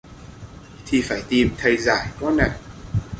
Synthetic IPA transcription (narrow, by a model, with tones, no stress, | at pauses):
t̪ʰi˨˩faː˧˩jt̪i˨˩mt̪ʰə˧˩jzaː˧˩jkɔ˨˦na̰˧˩˨j